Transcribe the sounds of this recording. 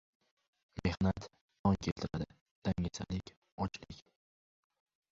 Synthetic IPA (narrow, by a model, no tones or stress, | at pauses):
me̞hnat̪ː | ɒŋkʲʰe̞lt̪ʰɪɾad̪ɪ | d̪̥aŋasa̰lɪkʲ | ɒt͡ʃlɪkʲ